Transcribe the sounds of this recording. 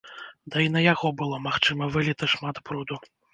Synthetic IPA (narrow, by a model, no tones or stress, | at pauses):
d̪ɐinɐjaɣɔbɨlˠɔmaxt͡ʂɨmɐvɨlʲit̪ɐʂmat̪bɾud̪u